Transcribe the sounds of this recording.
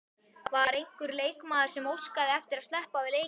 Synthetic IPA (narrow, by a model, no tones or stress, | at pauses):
vaɾejŋ̥kʏɾleːjkmaːðɪɾ̥sɛmowskaðɪɛft̪ɪɾaðst̪lɛhpavɪðleːj